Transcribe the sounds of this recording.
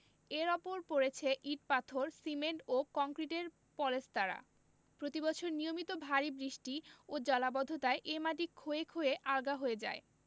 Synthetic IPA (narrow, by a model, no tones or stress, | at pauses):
eɾɔpoɾpoɾet͡ɕʰeʔiʈ̚pat̪ʰoɾsimeɳʈokɔŋkɾiʈeɾ | pɔlest̪aɾa̰ | pɾot̪ibɔt͡ɕʰoɾnijomit̪obʱaɾibɾiʃʈiod͡ʑɔlabɔd̪ʱot̪aeʔemaʈikʰːoekʰoeʔaɾɡaɦoed͡ʑa̰e